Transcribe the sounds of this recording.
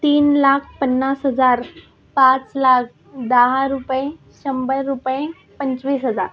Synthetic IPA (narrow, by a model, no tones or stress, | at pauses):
t̪iːnlaːkʰpənːaːsɦəzaːɾ | pãːt͡slaːkʰ | d̪aɦaɾupẽ | ɕɐ̃mbəlɾupẽ | pə̃ɲt͡ɕʋiːsɦəd͡zaːɾ